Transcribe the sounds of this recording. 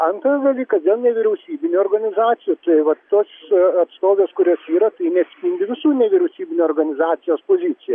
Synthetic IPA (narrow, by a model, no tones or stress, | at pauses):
ɐnt̪ɾɐsd̪ɐlʲiːkɐsd̪ʲeːlˠnʲɛʋʲɪɾʲɛʊsʲiːbʲɪnʲuoːrɡɐnʲɪzɑːt̪sʲɪjut̪ɐɪʋɐt̪oːsɐt̪st̪oːʋʲeːskʊɾʲoːsiːɾɐt̪ɐɪnʲɛɐt̪sʲpʲiːnʲd̪ʲɪʋʲɪsuːnʲɛʋʲɪɾʲɛʊsʲiːbʲɪnʲuoːrɡɐnʲɪzɑːt̪sʲɪjoːspoːzʲit̪sʲɪjɛ